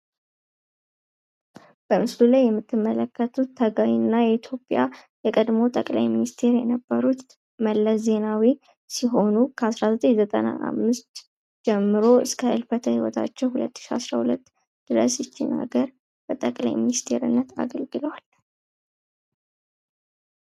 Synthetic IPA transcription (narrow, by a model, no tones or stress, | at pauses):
b̥əmɨslulajːɛmːɨt̪ʰːɨmːələkːət̪ʰut̪ʰːəɡawinːajɛit̪ʰjo̞pʼja | jɛkʼəd̪mo̞t̪ʼəkʼla̰jminist̪ʰe̞ɾjɛnəbːəɾut̪ | məlːəsze̞nawi | siɦo̞nukʰəasɾazət̪ʼeɲzət̪ʼə̰na̰ʔa̰mːɨst̪ | d͡ʒɛmːɨɾo̞ɨ̰skʰəʔɨlfət̪ʰəhiwɔ̰t̪ʰa̰t͡ʃːɛwhulə̰t̪ːɨ̥ʃia̰sɾahulət̪ː | d̪̥ɨɾə̰sɪsːina̰ɡəɾ | b̥ət̪ʼəkʼla̰jminist̪ʰe̞̰ɾɨ̰nːət̪ʰa̰ɡəlɡɨləwal